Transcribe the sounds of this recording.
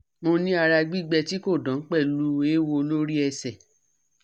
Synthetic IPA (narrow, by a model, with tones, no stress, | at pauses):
mo˧nĩ˦a˧ɾa˧ɡ͡bi˦ɡ͡bɛ˧ti˦ko˦˨dɔ̃˨˦k͡pɛ˦˨lu˦e˦wo˧lo˦ɾi˦ɛ˧sɛ˨